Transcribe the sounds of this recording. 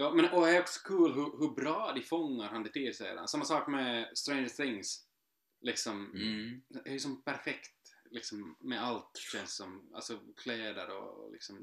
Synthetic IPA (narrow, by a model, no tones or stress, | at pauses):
jɑːmɛnɔæɾɔksɔ̥kʰʉːlɦɵɦɵbɾɑːd̪ɪfɔŋːaɾhand̪ɛt̪ʰɪsɛjɾa̰nsamːasɑːkmɛst̪ɾɛɪnθɪŋs | lɪksɔm | æjsɔmpʰæɾfɛkt̪lɪksɔmːɛalt̪ɕɛnssɔma̰lsɔkʰlɛːd̪ə̰ɾɔ̰lɪ̰ksɔm